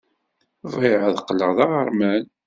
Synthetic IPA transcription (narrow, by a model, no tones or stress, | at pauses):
vʁɪʕəðəqːləʁðɑʁəɾmæn